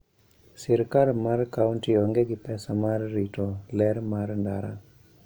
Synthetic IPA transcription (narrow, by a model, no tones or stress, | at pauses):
siɾkaɾmɐɾkawuɳʈiɔŋɡeɡipɛsɐmaɾɾiʈoleɾmaɾɳɖaːɾa̰